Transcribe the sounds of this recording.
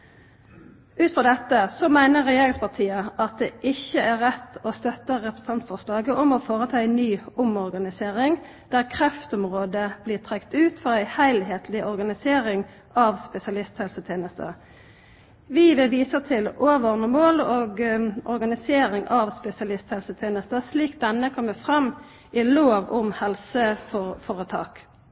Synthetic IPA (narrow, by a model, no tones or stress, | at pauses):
ʉːt̪fʁɑːd̪ɛt̪ːəsɔmæɪnəʁɛjeːʁɪŋspʰɑʁt̪ʰiːəʔɑt̪̚d̪ɛːʔɪçəæʁʁɛt̪ːɔst̪œt̪əʁɛpɾə̥s̩t̪ʰɑnt̪fɔʁslɑːɡəʔɔmɔfoːʁət̪ʰɑːæɪnyːʊmɔʁɡɑnɪseːʁɪŋ | d̪̥æːʁkʰʁɛft̪ɔmʁoːd̪əb̥liːʁt̪ʰʁɛkt̪ʉːt̪fɔʁæɪhæɪlheːt̪ʰlɪʔɔʁɡɑnɪseːɾɪŋ | ʔɑʋspɛsɪɑlɪst̪hɛlsət̪ʰjeːnəst̪ə̰ | ʋiːʋɪʋiːsət̪ʰɪloːʋɔʁnəmoːloːɡɔʁɡɑnɪseːɾɪŋʔɑʋspɛsɪɑlɪst̪hɛlsət̪ʰeːnəst̪əsliːk̚d̪ɛnːəkʰɔmʋəfʁɑm | ɪloːʋʊmhɛlsəfofɔːʁət̪ʰɑ̰ːk